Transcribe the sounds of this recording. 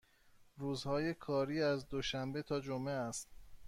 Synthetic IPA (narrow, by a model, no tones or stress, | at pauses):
ruːzhɒːje̞kʰɒːɾiːæzd̪oʃæmbe̞t̪ʰɒːd͡ʒomʔeæst̪̚